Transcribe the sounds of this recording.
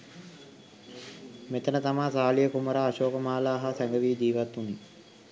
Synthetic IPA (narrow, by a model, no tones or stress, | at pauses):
met̪ənət̪amaːsaːlijəkuməɾaːʃoːkəmaːlaːɦasɛŋɡəʋiːd͡ʒiːʋat̪ːuni